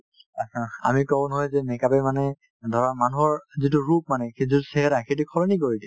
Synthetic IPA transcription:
ãa̰mikɔɔ̃nɔɦɔjzɛmɛkapɛmanɛ | dʱɔɹamanuɦɔɹzituɹup̚manɛxezituseɦɛɾaxejt̬ukʰɔɹɔnik̬oɹidɛ

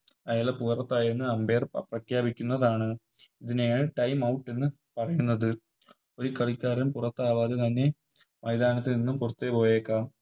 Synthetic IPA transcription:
ɐjaːlɐpuːrɐt̪ːaːjinːɨɐmbeːrprɐkʰjaːbikʲːunːɐðaːɳɨ | iðinejaːɳɨʈɐjmɐwʈːe̞nːɨ | pɐrɐjunːɐðɨ | o̞ɾukɐɭikʲːaːɾɐmpurɐt̪ːaːʋaːðet̪ɐnːe̞ | mɐjd̪aːnɐt̪ːininːumpurɐt̪ːepo̞ːjeːkːa

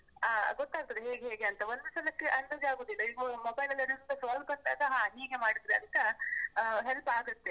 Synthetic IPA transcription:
aːɡɔt̪ːaːɡ̚t̪ɐd̪eɦeːɡeɦeːɡeɐnt̪ɐond̪usɐlɐkːeʔɐnːɐd͡ʒaːɡoːd̪ilːɐiːɡomobɐjlɐlːɐɾiɾud̪ɐsaːlbɐnt̪aːd̪ɐɦaːniːɡemaːɽid̪ɾeɐnt̪ɐ | ɦelpaːɡut̪ːe

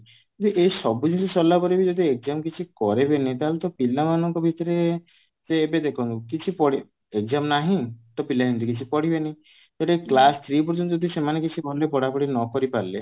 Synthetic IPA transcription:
kd̪iʔesɔbud͡ʒ̪insesɔlːapɔɾibid͡ʒɔd̪ʱiek̚zamkit͡ʃʰikɔɾebenet̪aɦelut̪ɔpilamanɔŋkɔbʱit̪ɔɾe | seːbed̪ekʰɔnukit͡ʃʰipɔɽi | ekzamnaɦĩt̪ɔpilaɦind̪ikit͡ʃʰipɔɽibeneĩ | d͡ʒeʈeklast̪ʰɾipɔɾd͡ʒɔnt̪ɔd̪isemanekit͡ʃʰibɔlepɔɽapɔɽinɔkɔɾipaɾlḛ

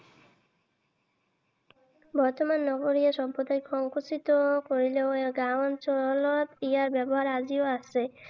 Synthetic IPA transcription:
bɔɾt̪omanːɔɡoɾieʃɔmpɾod̪ajkʰɔŋkosit̪okoɾileoɡant͡ɕɔlot̪iaɾbɛboɦaɾad͡ʑioaʃe

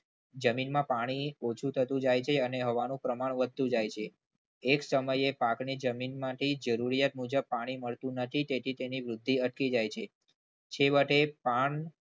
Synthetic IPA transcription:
d͡ʒəminmãpaɽ̃iot͡ʃʰũt̪ʰət̪ũd͡ʒajt͡ʃʰeəneɦəʋanũpɾəmaɳ̃ʋəd̪ʱːũd͡ʒajt͡ʃʰeː | ksəməjepaknid͡ʒəminmãʈʰid͡ʒəɾuɾijat̪̚mud͡ʒəb̚paɽ̃iməɭt̪ũnət̪ʰit̪et̪ʰit̪eniʋɾʊd̪ʱːiəʈkid͡ʒajt͡ʃʰe | t͡ʃʰeʋəʈepaɳ

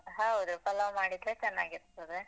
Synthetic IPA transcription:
ɦɐwud̪upɐlamaːɽid̪ɾet͡ʃɛnːaːɡiɾt̪ɐd̪e

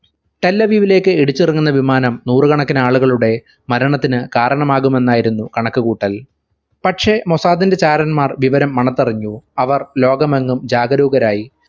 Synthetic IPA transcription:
ʈe̞lːɐʋiːʋile̞ːkːɨeɽuit͡ɕːirɐŋːunːɐʋimaːnɐmnuːrɨkɐɳɐkːinaːɭuɣɐɭuɽe̞ | mɐɾɐɳɐt̪ːinɨkaːɾɐɳɐmaːɣume̞nːaːjiɾunːukɐɳɐkːɨkuːʈːɐl | pɐʈʂe̞mo̞saːðinde̞t͡ɕaːɾɐnmaːrʋiʋɐɾɐmːɐɳɐt̪ːɐriɲːuɐʋɐrlo̞ːɡɐmɐŋːumd͡ʑaːɡɐɾuːɡɐɾaːji

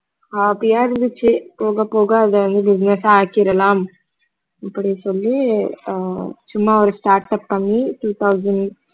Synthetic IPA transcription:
aːpːijaːɪɾɯnd̪ɯt͡ʃːɯpoːɣɐpːoːɣɐːðɛʋɐnd̪ɯbɪd͡ʒɪnɛsaaːkɪɾɐlaːm | ɐpːɐɽisɔlːi | t͡ʃʊmːɐɔɾɯsʈaːɾʈɐpːɐmːiʈuːt̪ʰɐʊzɐɳɖ

